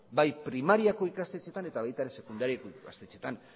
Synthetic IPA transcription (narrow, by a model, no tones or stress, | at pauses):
bajpɾimaɾiako̞ikast̪et͡ʃet̪ane̞t̪aβajt̪aeɾese̞kund̪aɾiako̞ikast̪e̞t͡ʃe̞t̪an